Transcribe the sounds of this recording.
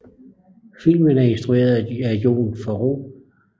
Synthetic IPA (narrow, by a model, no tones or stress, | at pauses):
fil̰mənæe̝nsd̥ʁue̝̰ːɐðˠæɡjo̝̰ːnfɒʁo̰ː